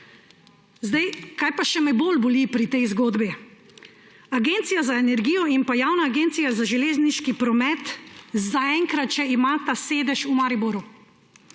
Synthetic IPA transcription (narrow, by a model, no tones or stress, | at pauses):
zd̪ajkaːjpaʃɛmɛjboːlbɔlipɾit̪ɛjzɡoːd̪bi | aɡeːnt̪sijazaenɛɾɡiːjɔimpajaːwnaːɡeːnt̪sijazaʒɛleːzniʃkipɾɔmɛt̪zaɛŋkɾat̪t͡ʃɛimaːt̪aseːd̪ɛʃumaɾiboɾu